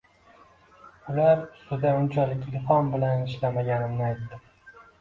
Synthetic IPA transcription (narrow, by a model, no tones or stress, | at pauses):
ʊlaɾʊst̪ʊd̪aʊnt͡ʃʰalɪkʲilfɒnbɪlanɪʃlamaɡʲanɪmnɪajt̪ːɪ